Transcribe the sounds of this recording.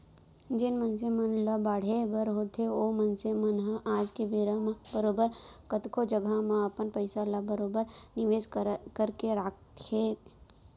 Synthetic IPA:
d͡ʒɪnmənsemənlɐbaːɽ̤ebəɾɦoːt̪ʰeomənsemənɦəaːd͡ʒkebeːɾãmãbəɾoːbəɾkət̪kʰod͡ʒəɡʱamãɐpənpəɪsaləbəɾoːbəɾnɪʋeːd͡ʒkəɾkeɾaːkt̪eː

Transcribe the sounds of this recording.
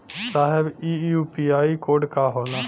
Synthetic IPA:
saːɦɪbiːjuːpiːaːiːkoːɖkaːɦoːnaː

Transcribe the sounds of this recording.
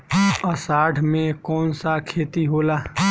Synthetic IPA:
əsaːɖʱmẽkɔːnsakʰeːt̪iɦoːlaː

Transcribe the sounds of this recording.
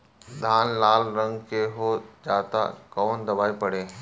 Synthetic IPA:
d̪ʱaːnlaːlɾə̃ŋɡkeɦoːd͡ʒaːt̪a̰kɔːnd̪ɐbaːipɐɽ̤eː

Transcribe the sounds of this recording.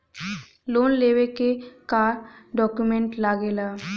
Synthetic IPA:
lonleʋekekaɾɖɔkjumeɳʈlaɡela

